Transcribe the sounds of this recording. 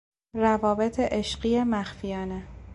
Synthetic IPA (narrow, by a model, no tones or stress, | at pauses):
rævɒːbet̪ʰeʔeʃɢijemæxfijɒːne